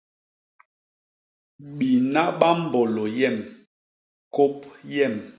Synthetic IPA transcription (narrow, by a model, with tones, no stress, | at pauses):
ɓi˨na˦ɓa˦m̩˦bɔ˨lɔ˨jɛ˦˨m | ko˦p̚jɛ˦˨m